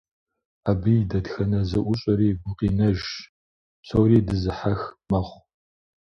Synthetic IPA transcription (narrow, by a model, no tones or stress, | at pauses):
abijdɐtxɐnɐzɐʔʷʊɕʼɐɾiːɡʷʊqiːnɐʒ | sɐwɾiːdɨzɨħaxmɐχʷ